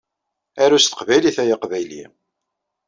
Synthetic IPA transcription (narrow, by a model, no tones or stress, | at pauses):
æɾust̪ə̥qvæjliθæjaqvæjlḭ